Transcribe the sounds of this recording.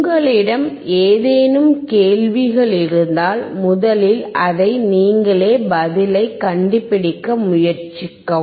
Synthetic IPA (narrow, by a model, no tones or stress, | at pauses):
ɡɐɭɪɽɐm | eːðeːnɯmkeːlʋɪɣɐɭɪɾɯnd̪aːlmʊðɐlɪlɐðɐɪniːŋɡɐɭeːbɐðɪlɐɪkːɐɳɖɪpːɪɽɪkːɐmʊjɐɾt͡ʃɪkːɐ